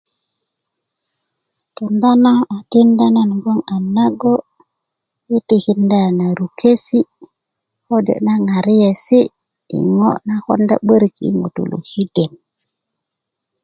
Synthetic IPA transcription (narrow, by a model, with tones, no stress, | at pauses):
ke˨nda˦na˦a˨ti˦nda˦na˦n˨bo˦ŋa˨nːa˦ɡo˦ | ji˦ti˨hi˦nda˦˨na˨ɾu˨kʰe˦si˦ | ho˦dḛ˨ʔna˦ŋa˨ɾi˦je˨si˦ | ḭ˨ŋo˦ʔna˦xo̰˦nda̰˦ɓə˦ɾi˨kḭ˦ŋṵ˨tṵ˨lṵ˨hi˦de˨n